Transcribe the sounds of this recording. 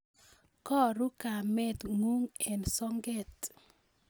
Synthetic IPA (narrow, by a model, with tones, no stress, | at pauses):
kɔ˦ɾu˦ka˨mɛ˦t̪ŋu˦ŋe˨nsɔ˦ŋɡe˦˨t̪